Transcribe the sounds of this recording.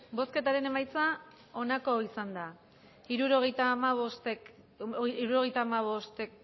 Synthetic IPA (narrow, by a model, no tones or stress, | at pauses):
bo̞ske̞t̪aɾe̞ne̞majt͡sa | o̞nako̞isand̪a | iɾuɾoɣet̪amaβost̪e | iɾuɾo̞ɣe̞jt̪aːmaβo̞st̪e